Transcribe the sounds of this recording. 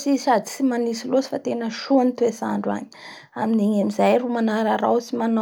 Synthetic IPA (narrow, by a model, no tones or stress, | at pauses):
sisad̪it͡simanisilosi̥fat̪enəʃonit̪uesa̰ɳɖ͡ʐa̰ɲi̥ | aminiɲamizajɾumanaɾəɾa̰wsiman